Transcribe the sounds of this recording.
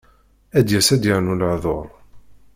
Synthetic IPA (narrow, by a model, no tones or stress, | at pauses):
æd̪jæsæd̪jəʕnuləʕðˤo̰ɾˤ